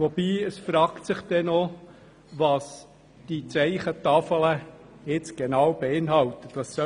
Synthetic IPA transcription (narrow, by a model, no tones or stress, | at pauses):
ʋɔbiːəsfɾɑːktsɪχd̥̪ɛnɔ | ʋɑs | d̥it͡sɛɪχət̪ɑfələ | jɪt͡sɡ̥enɑwb̥eɪnɦɑlt̪əd̥ɑsːœ